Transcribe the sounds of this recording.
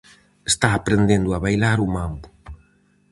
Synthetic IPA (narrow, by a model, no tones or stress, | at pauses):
est̪aːpɾend̪end̪ʊaβajlaɾumambu